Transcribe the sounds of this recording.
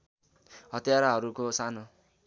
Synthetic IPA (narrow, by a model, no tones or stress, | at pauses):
ɦʌt̪jaɾaɦʌɾukosano